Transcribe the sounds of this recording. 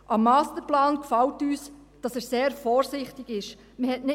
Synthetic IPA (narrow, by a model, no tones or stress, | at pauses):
ʔɑmːɑːstəɾplɑːnkfɑltyːs | d̥ɑsɛːɾseːɾfɔːɾsɪχtɪɡɪʃ | məhɛtnɪ